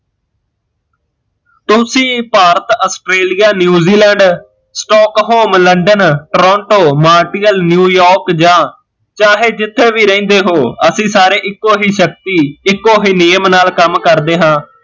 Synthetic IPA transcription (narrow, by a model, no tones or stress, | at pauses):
t̪ʊsĩːpaːɾət̪əsʈɾeːlijaːnjuːziːlɛ̃ːɳɖ | sʈɔːkɦoːmləɳɖənʈɾɔ̃ːɳʈoːmaːɾʈiːəlnjuːjɔːɾkd͡ʒãː | t͡ʃaːɦeːd͡ʒɪt̪ʰːeːʋiːɾəĩːnd̪eːɦoːəsĩːsaːɾeːʔɪkːoːɦiːʃək̚t̪iːɪkːoːɦiːnɪjəmnaːlkəmkəɾd̪eːɦãː